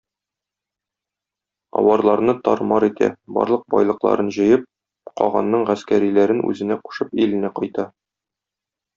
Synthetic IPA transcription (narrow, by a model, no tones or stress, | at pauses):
ɒ̰wɑɾlˠɑɾnɤt̪ɒɾmɑɾit̪æ̰bɒ̰ɾlˠɤq̚bɒjlˠɤ̆qlˠɑ̰ɾɤnʑɤ̆jɤp̚ | qɒ̰ʁɑ̰nːɤɴʁæskæɾilæɾɘnʔʉ̰zɘ̆næqu̥ʃɤpilɘ̆næqɒjt̪ɑ